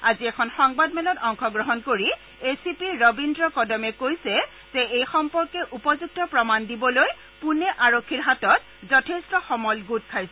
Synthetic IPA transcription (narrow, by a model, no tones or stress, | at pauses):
aziɛkʰɔnxɔŋbadmɛlɔtɔŋxɔɡɹɔɦɔnkoɹi | esipiːɔbindɹɔkɔdɔmɛkojsɛ | z̥ɛejxɔmpɔɹkɛʔupɔzuɡ̚tɔpɹɔmandibɔloj | punɛʔaɹokʰːiɹɦatɔt | zɔtʰestɔxɔmɔlɡut̚kʰajsɛ